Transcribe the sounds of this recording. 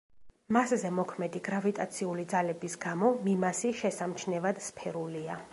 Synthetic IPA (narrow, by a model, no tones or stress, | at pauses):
maszɛmɔkʰmɛd̪iɡɾavit̪ʼat̪sʰiulid̪zalɛbisɡamɔmimasiʃɛsamt͡ʃʰnɛvad̪spʰɛɾulia